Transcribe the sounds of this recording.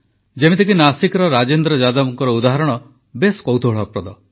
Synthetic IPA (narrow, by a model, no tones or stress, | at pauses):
d͡ʒemet̪ʰekinasikɔɾɔɾad͡ʒend̪ɾɔd͡ʒad̪ɔbɔŋkɔɾɔud̪aɦaɾɔɽ̃ɔ | beskowt̪ʰoɭɔkɾɔd̪ɔ